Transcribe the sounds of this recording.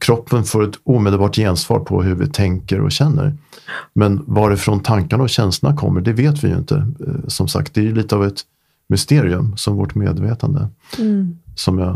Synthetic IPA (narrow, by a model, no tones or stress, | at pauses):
kʰɾɔpʰːənfoːɾɛt̪uːmeːd̪əlbɑːʈjensvɑ̰ːɾpʰɔɦɵvɪ̰t̪ʰɛŋkəɾɔ̰ɕɛnːə̰ɾmɛnvɑɖɛfɾɔnt̪ʰaŋkaɳaɔɕɛnst̪lənakʰɔ̰mːəɖɛveːt̪vɪ̰jɵ̰nt̪ʰə̰sɔmsa̰k̚t̪̚d̪ɛæjliːt̪əavɛt̪ | mʏst̪eːɾɪɵmsɔmvɔʈmḛːd̪veːt̪and̪ə | sɔmjɑ